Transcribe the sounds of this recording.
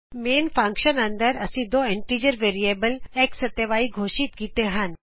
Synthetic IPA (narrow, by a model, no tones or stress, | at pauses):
meːnpʰãŋkʃənɐnd̪əɾɐsĩd̪oːeɳʈiːd͡ʒəɾʋeːɾijeːbəleːksɐt̪jəʋaːiɡʱoːʃit̪kiːt̪eɦan